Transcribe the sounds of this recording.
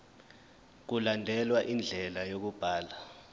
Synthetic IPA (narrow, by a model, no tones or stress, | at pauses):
k̬ulandʱɛlwaʔind͡ɮʱɛlajok̬ub̥ʱaːla